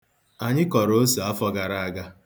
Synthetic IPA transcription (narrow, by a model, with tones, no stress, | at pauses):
a˨ɲɪ˦kɔ˨ɾo˦si˨a˦fɔ˦ɡa˨ɾa˨a˦˨ɡa˦